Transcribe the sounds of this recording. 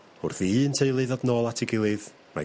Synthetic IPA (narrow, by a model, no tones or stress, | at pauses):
ʊrθiəntʰejlˠɨðɔdnoːlˠatʰɪɡɪlˠɨð | ma̰